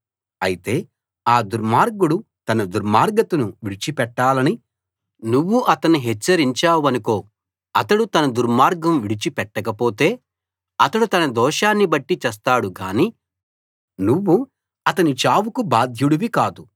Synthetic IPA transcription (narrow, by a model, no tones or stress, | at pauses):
ɐjit̪e̞ː | aːd̪uɾmaːɾɡuɽu | t̪ɐnɐd̪uɾmaːɾɡɐt̪unuʋiɽit͡ʃipɛʈːaːlɐni | nuʋːuʔɐt̪ɐnːuɦɛt͡ʃːɐɾiɲt͡ʃaːwɐnuko̞ː | ɐt̪ɐɽut̪ɐnɐd̪uɾmaːɾɡɐmʋiɽit͡ʃipɛʈːɐkɐpo̞ːt̪e̞ː | ɐt̪ɐɽut̪ɐnɐd̪ɔːʃaːnːibɐʈːit͡ʃɛs̬t̪aːɽuɡaːniː | nuʋːu | ɐt̪ɐnit͡ʃaːwukubaːd̪ʱjuɽuʋikaːd̪u